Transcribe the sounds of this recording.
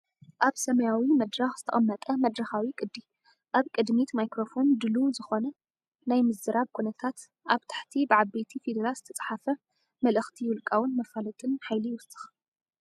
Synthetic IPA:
ʔaβsɐmɐjawimɐd̪ɾaxz̥ɨt̪ʰɐʔʼɐmːɐt̪ʼɐmɐd̪ɾɐxawikʼɨd̪ːi | ʔaβkʼɨd̪mit̪majkɾofo̞nd̪ɨluzɨxo̞nɐ | najmɨzdɨɾʔaβkʰunɐt̪ʰat̪ | ʔaβt̪ʰḁħt̪ʰibʕaβːet̪ʰifid̪ɾazɨt̪ʰɐt͡sʼħafɐ | mɐlɨxt̪ʰiwʊlkʼawʊnmɐfalɨt̪ʼɨnħajliwʊst̪ʼɨ̥x

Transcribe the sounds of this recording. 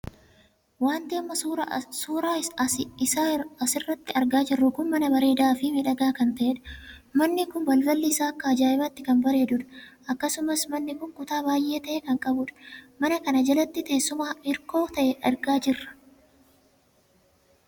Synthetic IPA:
waːnt̪ɪɐmːɐɾsuːɾaːɪsaːɐsɪrːɐt̪ːɪɐɾɡaːd͡ʒɪrːʊɡʊmːɐnɐbɐɾe̞ːd̪aːfɪmɪᶑɐɡaːkɐnt̪ɐʔeᶑɐ̥mɐnːɪkʊnbɐlbɐlːiːsaːkːaːd͡ʒaːɪbɐt̪ːɪkɐnbɐɾe̞ːd̪ʊᶑɐ̥ʔɐkːɐsʊmɐsmɐnːɪkʊŋkʼʊt̪aːbaːjʔe̞ːt̪ɐʔeːkɐŋkʼɐbʊᶑɐ̥mɐnɐkɐnɐd͡ʒɐlɐt̪ːɪt̪e̞ːsːʊmaːʔɪɾko̞ːt̪ɐʔɛʔɐɾɡaːd͡ʒɪrːɐ̥

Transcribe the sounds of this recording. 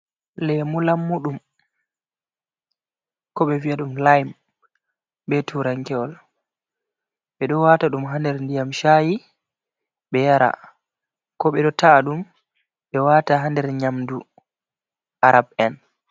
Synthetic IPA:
lɛmulamːuɗum | kɔɓɛviaɗumlajm | bɛtʰuɾaŋkɛɔl | ɓɛɗɔwataɗumɦandɛɾndijamʃaji | ɓɛjaɾa̰ | kɔɓɛɗɔtʰaɗum | ɓɛwataɦandɛɾɲamdu | ʔaɾabɛn

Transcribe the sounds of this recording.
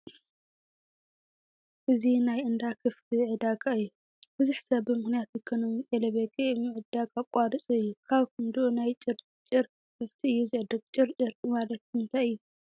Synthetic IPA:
ʔɨzinajɨnd̪akʰɨft̪ʰiʕɨd̪aɡʼaɨjːu | b̥ɨzuħsɐβbɨmɨxnijat̪jɨkʰɐnɨmɨt͡sʼelɐβekʰʼemɨʕɨd̪aɡʼakʼaɾɨsʼɨɨjːukʰaβkɨnd̪uonajt͡ʃʼɨɾ | t͡ʃʼɨɾ | kɨft̪ʰiɨjːuzɨʕɨd̪ɨkt͡ʃʼɨɾt͡ʃʼɨɾmalɐt̪̚ɨnt̪ʰajɨjːu

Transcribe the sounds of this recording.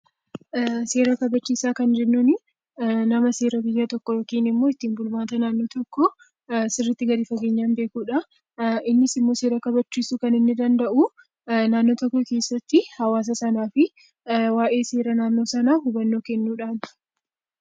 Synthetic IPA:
se̞ːɾɐkɐbɐt͡ʃːiːsaːkɐnd͡ʒɛnːunɪ | nɐmɐse̞ːɾɐbɪjːaːt̪ɔkːɔjɔkiːnɪmːo̞ːɪt̪ːiːnbʊlmaːt̪ɐnaːnːo̞ːt̪ɔkːɔ | sɪrːɪt̪ːɪɡɐd̪ɪfɐɡe̞ːɲːaːnbe̞ːkuːᶑɐ | ʔɪnːɪsɪmːo̞ːse̞ːɾɐkɐbɐt͡ʃːiːsukɐnɪnːɪd̪ɐnd̪ɐʔu | naːnːoːt̪ɔkːɔke̞ːsːɐt̪ːɪhɐwaːs̬ɐsɐnaːfɪ | waːʔe̞ːse̞ːɾɐnaːnːo̞ːsɐnaːhʊbɐnːo̞ːkɛnːuːᶑaːn

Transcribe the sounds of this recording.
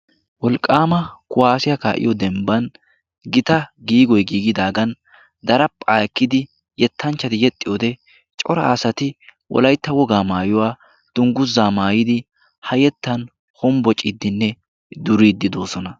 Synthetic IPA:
wɔlkʼːaːmɐkʊwaːsɪjɐkaːʔɪ̰jɔd̪ɛmbɐn | ɡɪt̪ɐɡiːɡɔjɡiːɡɪd̪aːɡɐn | d̪ɐɾɐpʼːaːkːɪd̪ɪ | jɛt̪ʰːɐnt͡ʃːɐt̪ɪjɛt̪ʼːɪjɔd̪ɛ | t͡ʃʼɔɾɐ̰ːsɐt̪ɪwʔɔ̰lɐjt̪ːɐwɔɡaːmaːjɔwaː | d̪̥ʊŋɡʊzːaːmaːjɪd̪ɪ | hɐjɛt̪ːɐn | hɔmbɔt͡ʃʼːɪd̪ːɪnːɛ | d̪ʊɾiːd̪ːɪd̪o̞ːsɔnɐ

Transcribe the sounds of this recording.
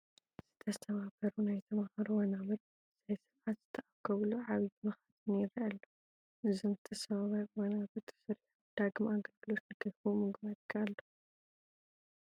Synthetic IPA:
z̥ɨt̪ʰɐst̪ʰɐβabɐɾunajt̪ʰɐmahaɾuwɐnaβɨt̪̚ | z̥ajsɨɾʕat̪z̥ɨ̥t̪ʰːɐʔakʰːɐβluʕaβibɨmɨxat̪ɨnjɪɾɐʔalːu | ʔɨzomzɨt̪ʰɐsɐβaβawɐnaβɨt̪ʰsɨɾħud̪̥aɡmaɡɐlɡɨlo̞t̪ɐd̪ɐfumɨɡβad̪ɡʰalːo

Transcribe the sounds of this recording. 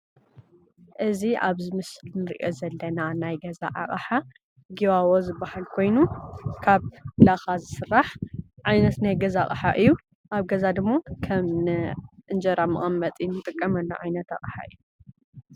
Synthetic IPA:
ʔɨziʔaβzɨmɨsɨlnɨɾʔjozɐlːɐnanajɡɐza̰ʔa̰χʼħa | ɡiwawozɨbːahalkʰo̞jnukʰaβlaxazɨsɨrːaħʕajnɐt̪najɡɐzaχʼħa̰ʔɨjːu | ʔaβɡɐzad̪ɨmːakʰɐmnɨʔɨnd͡ʒɐɾamɨχʼɐmːɐt̪ʼinɨt̪ʼɨkʼːɐmɐnːa̰ʕajnɐt̪a̰χʼħa̰ʔɨ̰jːu

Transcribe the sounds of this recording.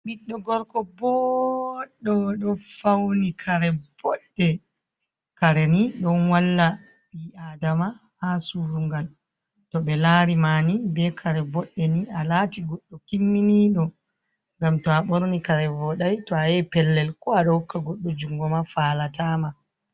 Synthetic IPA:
ɓiɗːɔɡɔɾkɔbɔ | ɗːɔɗɔfawnikʰaɾɛb̥ɔɗːɛ | kaɾɛniɗɔnwalːa | biadama | hasuɾuŋɡal | tɔɓɛlaɾimaːnibɛkʰaɾɛbɔɗːɛniʔalaːtiɡɔɗːɔkimːiniɗɔ | ŋɡamtɔaɓɔɾnikaɾɛvɔɗajtɔajɛpɛlːɛlkɔaɗɔhukːaɡɔɗːɔd͡ʒuŋɡɔmafalatama

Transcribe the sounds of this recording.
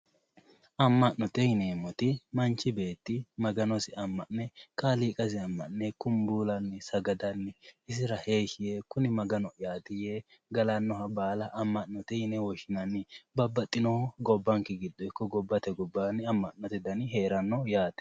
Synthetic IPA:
ʔɐmːɐʔnɔt̪ɛjɪneːmːɔt̪ɪmɐnt͡ʃːɪbe̞ːt̪ːɪmɐɡɐnɔsɪɐmːɐʔnːɛkaliːkʼɐsɪɐmːɐ̰ʔnɛkʊmbuːlɐnːɪsɐɡɐd̪ɐnːɪɪs̬ɪɾɐhe̞ːʃɪjekʊnɪmɐɡɐnɔɪjaːt̪ɪje | ɡɐlɐnːɔhɐbaːlɐʔːmːɐʔnɔt̪ɛjɪnɛwɔʃɪnɐnːɪbɐbːɐt̪ʼːɪnɔɡɔbːɐŋkɛɡɪd̪ːɔɪkːɔɡɔbːɐt̪ɛɡɔbːanɪɐmːɐʔnːɔt̪ɛd̪ɐnɪɦe̞ːɾɐnːɔjaːt̪ɛ̥

